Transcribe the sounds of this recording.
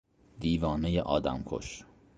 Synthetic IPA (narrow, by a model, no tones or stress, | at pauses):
d̪iːvɒːnejeʔɒːd̪æ̰mkʰo̰ʃ